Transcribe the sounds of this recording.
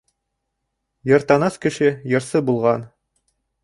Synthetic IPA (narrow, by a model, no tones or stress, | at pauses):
jɤ̆ɾt̪ɑnɑskɘ̆ʃɘjɤ̆ɾsɤbulˠʁɑn